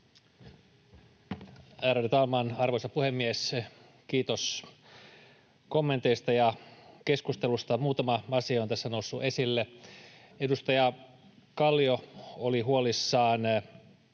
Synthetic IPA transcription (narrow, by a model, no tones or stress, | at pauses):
æːɾædit̪ɑlmɑːnɑrʋojsɑpuhe̞mːies | kiːt̪os | komːent̪ejst̪ɑjɑke̞skust̪elust̪ɑmuːt̪ɑmɑɑsiɑont̪æsːænousːuʔe̞silːe | e̞dust̪ɑjɑ | kɑlːiooliɦuolisːɑːn